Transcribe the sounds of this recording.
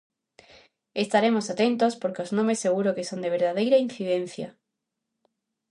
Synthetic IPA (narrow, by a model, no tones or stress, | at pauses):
est̪aɾemosat̪ent̪ospoɾkeoznõmesːeɣ̞uɾokesond̪eβ̞eɾðaðejɾain̟θiðẽn̟θjɐ̰